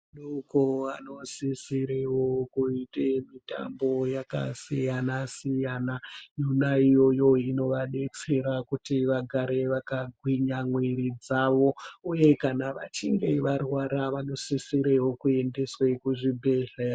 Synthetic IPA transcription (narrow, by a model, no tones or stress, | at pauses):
nokoano̞sisiɾewokuitemita̰mbo̞jaka̰sijanasijanajunaijo̞jo̞ino̞ʋane̞t͡se̞ɾakutiʋaɡʱaɾe̞ʋakaɡʱwiɲamweɾid͡zaʋo̞uje̞kanaʋat͡ʃiŋɡe̞ʋarwaɾaʋano̞sisiɾewo̞kue̞nde̞swekuʐibʱeɮe